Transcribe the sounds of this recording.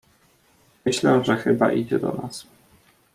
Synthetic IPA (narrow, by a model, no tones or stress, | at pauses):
mɘɕlɛʐɛxɘbaʔid͡ʑɛd̪ɔnas